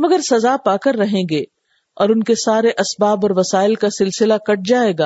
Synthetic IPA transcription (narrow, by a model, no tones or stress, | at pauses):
mɐɡəɾsɐzapaːkəɾːɐɦẽːɡeː | ɔːɾʊnkesaːɾeʔɐsbaːbɔːɾʋɐsaːɪlkasɪlsɪlakɐʈ̚d͡ʒaːeːɡaː